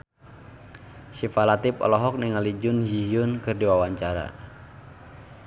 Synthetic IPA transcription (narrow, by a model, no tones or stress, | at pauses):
sifalat̪ipɔ̰lɔɦɔk̚niŋalid͡ʒʊnd͡ʒijʊnkɨrdiwawaɲt͡ʃaɾa̰